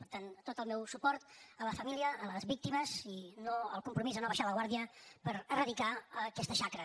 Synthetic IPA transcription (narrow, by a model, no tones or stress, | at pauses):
pəɾt̪ant̪ot̪əlˠmɛwsupɔɾt̪ələfəmiliəːləzβik̚t̪iməzinoəlˠkumpɾumizənoβəʃaləɣ̞waɾðiəpəɾrəðikaəkɛst̪əʃakɾə